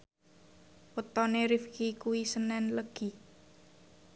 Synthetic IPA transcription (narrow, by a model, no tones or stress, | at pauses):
pət̪ɔneɾifkikuwisənɛnləɡ̥i̤